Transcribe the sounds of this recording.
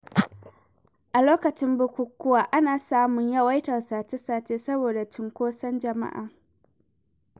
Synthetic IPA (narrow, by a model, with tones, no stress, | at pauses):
ʔa˨loː˦kɐ˨t͡ʃɪ˦mbʊ˦kʷʊ˦kʷːʊ˦waː˨ʔa˦naː˨saː˦mʊ˨ɲjɐ˦wa˦jtɐ˨rsaː˨t͡ʃe˦saː˦t͡ʃeː˦sɐ˦boː˨da˨t͡ʃɪ˨ŋkʷoː˦sɐ˦nd͡ʒɐ˨ma̰˦ʔa̰ː˨